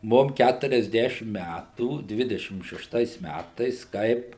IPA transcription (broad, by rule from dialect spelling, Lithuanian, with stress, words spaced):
ˈmʊm ˌkʲætʊrʲɛzʲˈdʲæːʃʲɪm ˈmʲætuː ˈdʲʋʲɪdʲɛʃʲɪm ʃʲɛʃˈtɐɪs ˈmʲætɐɪs ˈkɐɪp